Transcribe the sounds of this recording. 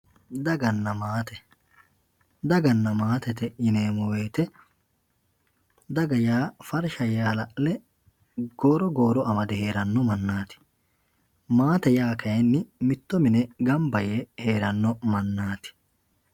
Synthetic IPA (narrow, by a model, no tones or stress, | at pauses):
d̪ɐɡɐnːɐmaːt̪ɛ | d̪ɐɡɐnːɐmaːt̪ɛt̪ɛɪneːmɔweːt̪ɛ | d̪ɐɡɐjaːfɐɾʃɐjaːlɐʔlɛ | ɡ̥oːɾɔɡoːɾɔʔɐmɐd̪ɛhe̞ːɾɐnːɔmɐnːaːt̪ɪ̥ | maːt̪ɛjaːkʰɐjɛnːɪmɪt̪ːɔmɪnɛɡɐmbɐjɛheːɾɐnːɔmɐnːaːt̪ɪ̥